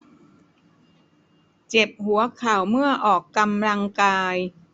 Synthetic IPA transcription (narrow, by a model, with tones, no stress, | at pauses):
t͡ɕe˨˩p̚hu˩˦ɐkʰaː˨˩wmɯ˥˩ɐʔɔː˨˩kːa˧mla˧ŋkaː˧j